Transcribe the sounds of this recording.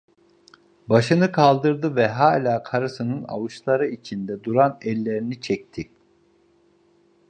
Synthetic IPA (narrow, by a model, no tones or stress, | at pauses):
baʃɯnɯkʰalˠd̪ɯɾd̪ɯvɛɦaːlʲaːkʰaɾɯsɯnɯna̰vɯʃlˠaɾɯit͡ʃʰind̪ɛd̪uɾanɛlʲːeɾinit͡ʃʰɛc̚t̪ʰi